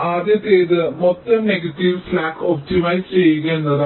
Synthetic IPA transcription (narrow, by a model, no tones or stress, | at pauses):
aːd̪jɐt̪eːðɨmɔt̪ːɐmneɡɐʈːiʋflaːkoːp̚ʈimɐjst͡ɕejːuɡɐenːɐðɐ